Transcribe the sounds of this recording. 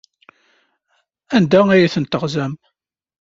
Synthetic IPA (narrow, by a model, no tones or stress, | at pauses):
ænd̪ææjæθənt̪əʁzæm